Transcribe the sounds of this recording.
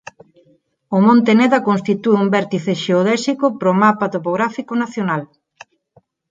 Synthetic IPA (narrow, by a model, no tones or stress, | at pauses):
omõnt̪eneðɐkonst̪it̪ueumbɛɾt̪iθeʃeoðɛsikopɾomapat̪opoɣɾafikonaθjonal